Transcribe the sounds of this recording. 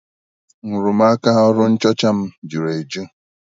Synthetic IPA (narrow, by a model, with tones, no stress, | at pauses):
ŋu˨ɾu˨m̩a˦ka˦ɔ˦ɾʊ˦n̩˦t͡ʃɔ˦t͡ʃa˦m̩˦d͡ʒu˨ɾe˨d͡ʒu˦